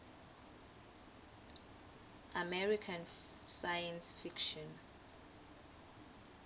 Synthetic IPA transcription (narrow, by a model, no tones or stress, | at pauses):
amɛɹikʰan | sajansfikʃɔn